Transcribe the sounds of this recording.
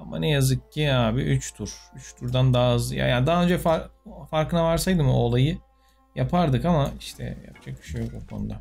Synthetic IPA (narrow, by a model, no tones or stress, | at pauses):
ama̰nɛjazɯk̚ciaːbiʔyt͡ʃt̪ʰuɾ̥yt͡ʃt̪ʰuɾd̪and̪aːzja̰jad̪aɦːaø̞nd͡ʒɛfaɾfaɾkɯnavaɾsajd̪ɯmɯolˠajɯ | japʰaɾd̪ɯkamaiʃt̪ʰɛ̰ja̰pd͡ʒʰak̚ʰy̥ʃyjokokʰo̞̰nud̪a